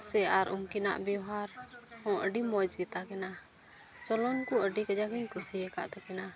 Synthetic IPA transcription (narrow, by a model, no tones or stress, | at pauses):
sɛaɾumkina̰ʔbjɔɦaɾhɔ̃ʔəɖimɔd͡ʒɡɛt̪akɛna | t͡ʃɔlɔnkuəɖikad͡ʒakiɲkʰusiɦɛka̰ʔt̪ɛkɛna